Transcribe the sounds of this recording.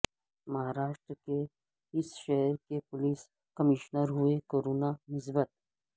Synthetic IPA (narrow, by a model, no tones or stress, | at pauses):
mɐɦaːɾaːʃʈ̪ɾke | ɪsʃɛɦɾkepʊliːs | kɐmɪːʃnəɾɦʊekoːɾoːnanɪs̬bət̪̚